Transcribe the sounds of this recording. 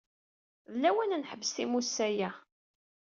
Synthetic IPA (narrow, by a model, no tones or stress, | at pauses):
ðəlːæwænnħəbːəsθimusːæjæ